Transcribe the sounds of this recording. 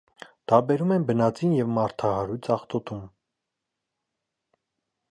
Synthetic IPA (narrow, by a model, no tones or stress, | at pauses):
d̪̥ɑɾbɛɾumɛnbənɑt͡sinjɛvmɑɾt̪ʰɑhɑɾujt͡sʰɑχt̪ɔt̪um